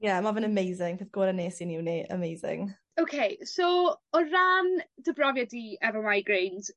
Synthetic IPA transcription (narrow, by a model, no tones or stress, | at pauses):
jɛmavənəmejzɪŋpʰɪðɡ̥oːɾəneːsinɪwniə̰mejzɪ̰ŋ | owkʰejsoɔrand̥əbrɔvjadiɛvɔmajɡɹenz̥